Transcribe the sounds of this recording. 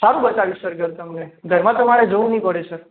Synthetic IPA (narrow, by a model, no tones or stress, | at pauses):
saɾũbət͡ʃaʋisəɾɡʱəɾt̪əmneɡʱəɾmãt̪əmaɾed͡ʒəʋũnəɦĩpəɽesəɾ